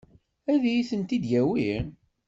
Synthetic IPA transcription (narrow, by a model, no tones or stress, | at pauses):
æðæjiθənt̪id̪jæwi